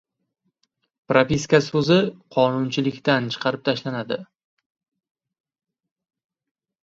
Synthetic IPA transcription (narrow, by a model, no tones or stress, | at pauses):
pɾapʲiskasɵzɪqʰɒnʊnt͡ʃʰɪlɪkʲt̪ant͡ʃʰɨ̥qʰɑɾɪp̚t̪ʰaʃlanad̪ɪ